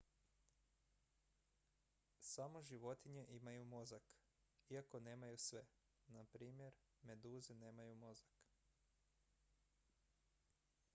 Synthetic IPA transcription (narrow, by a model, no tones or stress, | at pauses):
samo̞ʒiʋo̞t̪iɲe̞ʔimajumo̞zak | iako̞ne̞ːmajusʋe | napɾiːmje̞ɾ | me̞d̪uːzineːmajumo̞zak